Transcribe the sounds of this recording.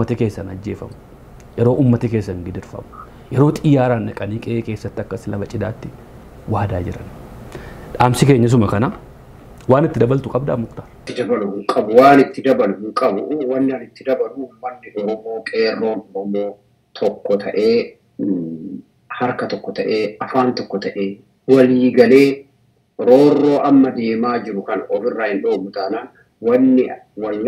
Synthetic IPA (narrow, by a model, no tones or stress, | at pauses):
ɐt̪ɐke̞ːsːɐnɐd͡ʒːeːfɐ̰mʊ̥ | jɛɾo̞ːʔuːmːɐt̪ɪkeːsːɐŋɡɪd̪ɪɾfɐ̰mʊ̥ | jɛɾo̞ːt̪ʼɪjaːɾaːnʔɐkʼɐniːkʼeːke̞ːsːɐt̪ːɪɐkːɐslɐbɐt͡ʃʼɪd̪aːt̪ːɪ | waːd̪aːd͡ʒɪɾɐ̰n | ᶑaːmsɪke̞ːɲːɐs̬ʊmɐkɐna | waːnɪt̪ːɪd̪ɐbɐlt̪ʊkʼɐbd̪a̰ːmʊkt̪ḁːɪt̪ːɪd̪ɐbɐlʊhʊŋkʼɐbʊwaːnɪt̪ːɪd̪ɐbɐlʊhʊŋkʼɐbʊwɐnːɪɐnɪt̪ːɪd̪ɐbɐlʊʊmːɐnːɪɔɾɔmo̞ːkʼe̞ːrːo̞ːnɔɾɔmo̞ː | t̪ʰɔkːɔt̪ʰɐʔe̞ː | hɐɾkɐt̪ɔkːɔt̪ɐʔe̞ːɐfaːnt̪ɔkːɔt̪ɐʔeː | wɐliːɡɐle̞ː | ɾo̞ːrːo̞ːʔɐmːɐd̪e̞ːmaːd͡ʒɪɾʊkɐnɐʔɔfɪrːaːhɪnᶑoːmʊt̪aːnaːn | wɐnːɪ | wɐ